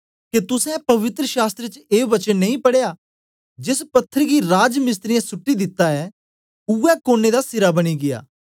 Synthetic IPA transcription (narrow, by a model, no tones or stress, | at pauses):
ket̪ʊsɛ̃pɐʋɪt̪ɾəʃaːst̪ɾet͡ʃeːʋɐt͡ʃənːɐ̃ĩpɐɽeja | d͡ʒɪspɐt̪ʰːəɾɡiɾaːd͡ʒmɪs̬t̪ɾɪjãsʊʈːid̪ɪt̪ːaɛ | ʊɛkoːned̪asɪɾabɐɽ̃iɡɪja̰ː